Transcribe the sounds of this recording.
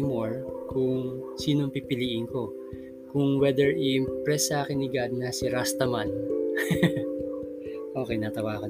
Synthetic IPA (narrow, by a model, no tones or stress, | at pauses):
moɹkʊŋ | siːnoŋpipɪliːʔɪŋko̞ | kʊŋwɛd̪ɛɹɪʔɪmpɹɛsːʔaːkɪnːɪɡad̪̚nɐsɪɾast̪ɐman | ʔo̞ːkɛjnaːt̪ɐwaːko